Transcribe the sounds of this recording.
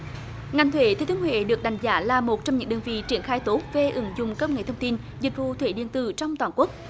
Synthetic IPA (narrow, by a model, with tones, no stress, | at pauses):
ŋa˨˩ŋ̟t̪ʰwe˧˩˦t̪ʰe˧˦t̪ʰɨ˨˦nwḛ˧˨ɗɨ˨˩ək̚ɗa˨˩jŋ̟zaː˨˦laː˨˩mo˨˩t̚t͡ɕɔ˧ŋ͡mɲɨ̰˧˥ŋɗəː˧nvḭ˧˨t͡ɕi˧˩ənxaː˧jt̪o˨˦˥t̚ve˨˩ʔɨ˨˦ŋzʊ˨˩ŋ͡mkə˧˥w̚ŋe˧˨˩t̪ʰwŋ͡mt̪i˧n | zi˨˩k̟̚vṵ˧˨t̪ʰwe˧˩˦ɗḭ˧˨ənt̪ɨ̰˧˨t͡ɕɔ˧wŋ͡mt̪waː˨˩nku˦˥ək̚